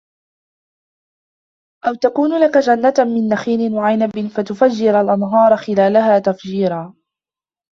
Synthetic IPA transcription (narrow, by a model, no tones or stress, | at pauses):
ʔawt̪akuːnʊlakad͡ʒanːat̪mɪnːaxiːnɪnwaʕajnabɪnfat̪ʊfad͡ʒːɪɾalʔanɦɑːɾˤɑxɪlaːlaɦaːt̪afd͡ʒiːɾaː